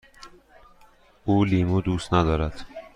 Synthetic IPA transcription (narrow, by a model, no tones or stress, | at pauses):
ʔuːliːmuːd̪uːst̪næd̪ɒːɾæd̪̥